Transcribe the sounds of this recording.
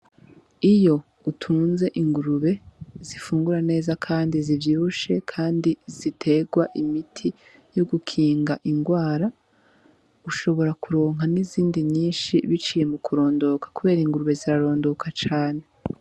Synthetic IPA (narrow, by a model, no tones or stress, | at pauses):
ijo̞ | utʰuːnze̞ʔiŋɡuɾuβe̞z̥ifuːŋɡuɾane̞ːzakʰaːndizivjiːβuʃe̞kʰaːndiz̥itʰe̞ɡwaʔimitʰi | jo̞ɡukʰiːŋɡaʔiŋɡwaːɾa | uʃo̞βo̞ɾakuɾo̞ːŋɦaniziːndiɲiːnʃiβit͡ʃije̞mukuɾo̞ːndo̞kḁkuβe̞ːɾiŋɡuɾuβe̞ziɾaɾo̞ːndo̞kʰat͡ʃaːne̞